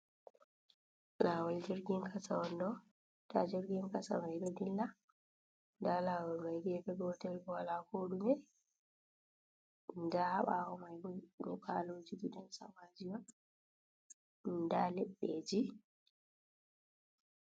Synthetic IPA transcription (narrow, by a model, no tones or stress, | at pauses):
laːwald͡ʒiɾɡiŋkʰasawɔndɔ | tad͡ʒiɾɡiŋkasa̰majɗɔdilːa | ndalaːwɔlmajɡɛfɛɡɔtɛlbɔwalakoːɗumɛ | ndahaɓawɔmajɡɔɡɔkʰaloːd͡ʒiɡiɗɔnsa̰mad͡ʒiwɔn | ndalɛɓːed͡ʒi